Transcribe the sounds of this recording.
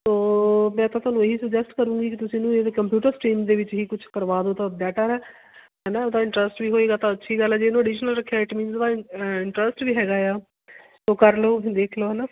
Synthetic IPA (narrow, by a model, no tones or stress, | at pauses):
soːmɛ̃ːt̪ãːt̪ʊaːnũːeɦiːsəkd͡ʒɛsʈkəɾũːɡiːkɪt̪ʊsĩːnũːeːekəmpjuːʈəɾsʈiːmd̪eːʋɪt͡ʃɦiːkʊt͡ʃʰkəɾʋaːd̪oːt̪ãːəd̪ɛːʈaːɾɛː | ɦɛːnaːod̪aːɪ̃ɳʈɾəsʈʋiːɦoːeːɡaːt̪ãːətːʃʰiːɡəlɛːd͡ʒeːnũːəɖiːʃnəlɾəkʰːjaːɪʈmĩːnsd̪aːɪɳʈɾəsʈʋiːɦɛːɡaːjaː | soːkəɾloːd̪eːkʰloːɦɛnaː